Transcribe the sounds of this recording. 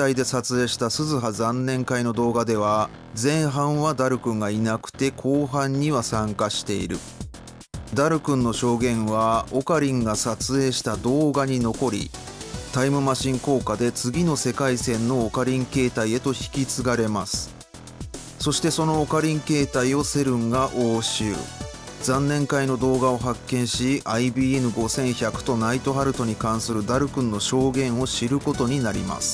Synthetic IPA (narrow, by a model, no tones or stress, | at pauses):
aid̪e̞sat͡sɨe̞ːɕi̥t̪asɨzɨɦazãnːẽ̞ŋkaino̞d̪o̞ːɡad̪e̞β̞a | d͡zẽ̞ɰ̃ɦãɰ̃βad̪aɾɯ̟kɯ̟̃ŋɡainakɯ̟̥t̪e̞kʰo̞ːɦãɲ̟ːiβasãŋkaɕi̥t̪e̞ḭɾɯ̟ | d̪aɾɯ̟kɯ̟̃nːo̞ɕo̞ːɡẽ̞ɰ̃βao̞kaɾʲĩŋɡasat͡sɨe̞ːɕi̥t̪ad̪o̞ːɡaɲ̟ino̞ko̞ɾʲḭt̪aimɯ̟maɕĩŋko̞ːkad̪e̞t͡sɨɡʲino̞se̞kaisẽ̞nːo̞ːkaɾʲĩŋke̞ːt̪aie̞t̪o̞çi̥kʲit͡sɨɡaɾe̞masɨ̥ | so̞ɕi̥t̪e̞so̞no̞ːkaɾʲĩŋke̞ːt̪aio̞se̞ɾɯ̟̃ŋɡaʔoːɕɨ̰ːd͡zãnːẽ̞ŋkaino̞d̪o̞ːɡao̞ɦakːẽ̞ɰ̃ɕiaibiːenɯ̟ɡo̞sẽ̞ɰ̃çakɯ̟̥t̪onait̪o̞ɦaɾɯ̟t̪o̞ɲ̟ikãɰ̃sɨɾɯ̟d̪aɾɯ̟kɯ̟̃nːo̞ɕo̞ːɡẽ̞ɰ̃o̞ɕiɾɯ̟ko̞t̪o̞ɲ̟inaɾʲḭma̰sɨ̥